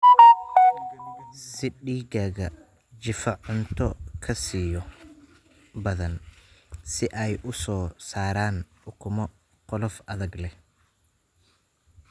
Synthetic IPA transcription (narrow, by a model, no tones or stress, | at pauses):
sɪɖiːɡaːɣɐ | t͡ʃɪfɐʕʊnt̪ʰɔkʰɐsiːjɔ | bɐðɐn | sɪʔɛjʔʊsɔːsaːɾaːn | ʊkʰʊmɔ | qɔlɔfɐðɐɡlɛh